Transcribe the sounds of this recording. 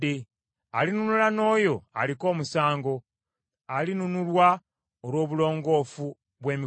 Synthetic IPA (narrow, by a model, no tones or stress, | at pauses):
e | alinunulano̞ːjo̞a̰liko̞ːmusaːŋɡo̞ | alinunulwa | oɾwo̞ːβulo̞ːŋɡo̞ːfu | βwe̞ːmi